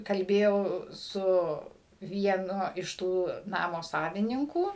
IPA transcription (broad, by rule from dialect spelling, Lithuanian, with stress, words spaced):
kɐlʲˈbʲeːjɛʊ ˈsʊ ʋʲiɛˈnʊ ɪʃ ˈtuː ˈnɑːmoː ˈsɑːʋʲɪnʲɪŋkuː